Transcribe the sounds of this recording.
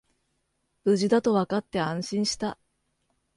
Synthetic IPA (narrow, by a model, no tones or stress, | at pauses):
ɯ̟ʑid̪at̪o̞βakat̪ːe̞ãɰ̃ɕĩɰ̃ɕi̥t̪a